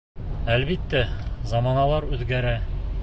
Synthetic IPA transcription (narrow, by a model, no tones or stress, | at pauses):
ælβit̪ːæzɑmɑnɑlˠɑɾʉðɡæɾæ